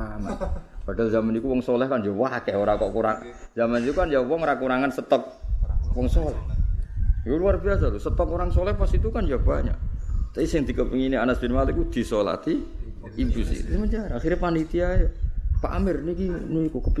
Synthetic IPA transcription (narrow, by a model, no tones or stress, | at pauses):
amanb̥aɖ̥a̤lzamanikuwɔŋsɔlɛhkand͡ʒɔwakɛhoɾakɔʔkuɾaŋ | zamanit̪ukand͡ʒawɔŋɾakuɾaŋansət̪ɔk̚wɔŋsɔlɛh | juluarbias̬alusət̪ɔp̚uɾaŋsɔlɛhpasit̪ukand͡ʒab̥aɲa̰ʔt̪aisɪŋd̪̥i̤kəpiŋinianasb̥enmalikud̪̥i̤sola̰t̪i | it̪usɪ̰hsəməɲt͡ʃaɾaːxirɲapandit̪iajapa̰ʔa̰mɪrnikinuikukəp